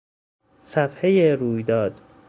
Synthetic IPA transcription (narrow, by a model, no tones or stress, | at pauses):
sæfhejeɾuːjd̪ɒːd̪̥